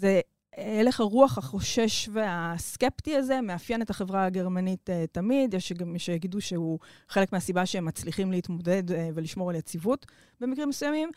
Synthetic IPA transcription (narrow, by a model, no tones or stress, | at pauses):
ze | ele̞χaʁuaχhaχo̞ʃe̞ʃveaske̞ptiaze̞meafjenetaχevʁaaɡe̞ʁmanitetːamidjeʃʃejaɡiduʃeuχe̞le̞kmeasibaʃeemːat͡sliχimleitmo̞de̞dveliʃmoaljet͡sivut | bemikʁimːesujamim